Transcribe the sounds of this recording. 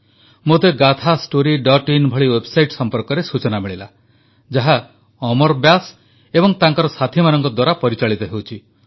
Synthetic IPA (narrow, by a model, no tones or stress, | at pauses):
mot̪eɡat̪ʰasʈoɾiɖɔʈinbʱɔɭiwebsajʈsɔmpɔɾkɔɾesut͡ʃɔnamiɭila | d͡ʒaɦa | ɔmɔɾbjas | ebɔŋt̪aŋkɔɾɔsat̪ʰimanɔŋkɔd̪waɾapɔɾit͡ʃaɭit̪ɔɦewt͡ʃʰi